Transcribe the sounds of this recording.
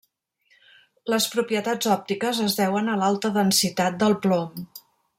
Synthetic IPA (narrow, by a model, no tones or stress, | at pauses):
ləspɾupiət̪ad͡zɔp̚t̪ikəzəzðɛwənəlalˠt̪əðənsit̪at̪̚d̪əlˠplom